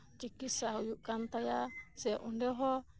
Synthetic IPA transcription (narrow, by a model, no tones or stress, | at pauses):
t͡ʃikisahujuʔkant̪ajasɛʔundɛɔɦɔ